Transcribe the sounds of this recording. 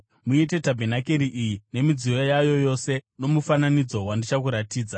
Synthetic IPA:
muite̞tabʱenake̞ɾiʔijine̞mid͡ziojajo̞jo̞se̞no̞mufananid͡zo̞wandit͡ʃakuɾatiːd͡za

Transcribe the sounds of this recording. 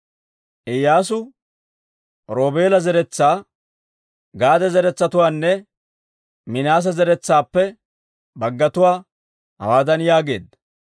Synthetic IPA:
ʔɛjːaːs̬ʊ | ɾo̞ːbe̞ːlɐzɛɾɛt͡sːaː | ɡaːd̪ɛzɛɾɛt͡sːɐt̪ʊwaːnːɛ | mɪnaːs̬ɐzɛɾɛt͡sːaːpːɛ | bɐɡːɐt̪ʊwaː | hɐ̰waːd̪ɐnjaːɡe̞̰ːd̪ːɐ

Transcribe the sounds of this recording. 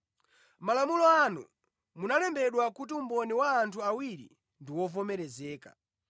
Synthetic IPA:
malamulɔanṵ | munalɛmbɛɗwakut̬iumbɔniwaːntʰuawiɾḭ | ndiwɔvɔmɛɾɛzɛːka̰

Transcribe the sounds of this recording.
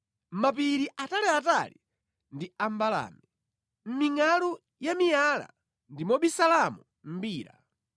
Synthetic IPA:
m̩map̬iɾiʔatalɛatali | ndiambala̰ːmi | m̩miŋalu | jamijala̰ | ndimɔɓisalamu | m̩biːɾa̰

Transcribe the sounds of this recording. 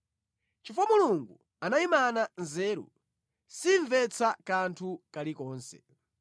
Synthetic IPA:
t͡ʃifɔmuluŋɡu | anaimananzɛːɾṵ | siɱvɛt͡sʰakantʰukalikɔːnsɛ̰

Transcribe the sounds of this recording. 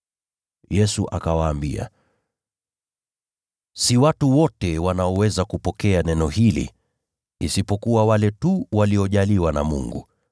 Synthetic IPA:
jɛsuʔa̰kawaːmbia̰ | siwatuwɔtɛwanaɔwɛzakupɔkɛanɛnɔhilḭː | sipɔkuwawalɛtuwaliɔʄaliwana̰mṵŋɡu

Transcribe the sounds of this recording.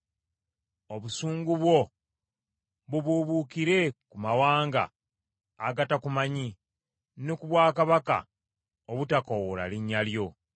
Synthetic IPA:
o̞βusuːŋɡuβwo̞ | βuβuβukiɾe̞kumawaːŋɡa̰ː | ɡatakumaɲi | nekuβwaːkaβaka̰ | oβutakowola̰liɲːaljo̞

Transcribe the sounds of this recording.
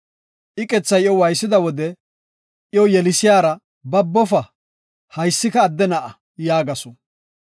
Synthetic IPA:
ʔɪkʼɛt͡sːɐjjɔwɐjsːɪd̪ɐwɔd̪ɛ | ʔɪjɔjɛlɪsɪjaːɾɐ | bɐbːɔfɐ | hɐjsːɪkɐːd̪ːɛnɐʔɐ | jaːɡɐsɔ

